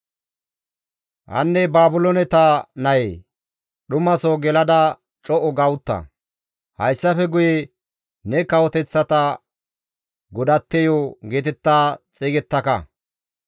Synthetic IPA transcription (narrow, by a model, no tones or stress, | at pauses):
hɐ̰nːɛbaːbʊlɔnɛt̪anɐjḛː | ɗʊmɐsoɡɛlɐd̪ɐ | t͡ʃʼɔʔɔɡɐwʊt̪ːɐ̰ | hɐ̰jsːɐfɛɡʊje | nɛkɐwɔt̪ɛt͡sːɐt̪ɐ | ɡʊd̪ɐt̪ːɛjoɡeːt̪ɛt̪ːaːt͡sʼeːɡɛt̪ːɐkɐ̰